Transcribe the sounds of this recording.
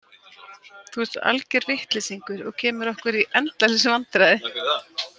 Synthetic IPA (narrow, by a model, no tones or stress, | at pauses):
θuɛst̪a̰lcɛɾvɪht̪lɪsiŋkʏɾɔ̰ɣcʰɛːmʏɾɔhkʏɾiʔɛnt̪lalɪsʏvant̪ɾajðɪ